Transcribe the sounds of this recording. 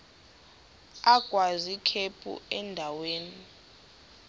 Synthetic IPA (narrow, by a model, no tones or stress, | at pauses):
aɡ̥ʱwazikʰepʰʼṵɛndʱaweːni